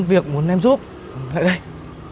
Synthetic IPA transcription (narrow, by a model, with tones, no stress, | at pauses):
nvi˨˩ək̚mu˨˦ənʔɛ˧mzu˦˥p̚ː | t̪ʰa̰ː˧˨jɗə˧j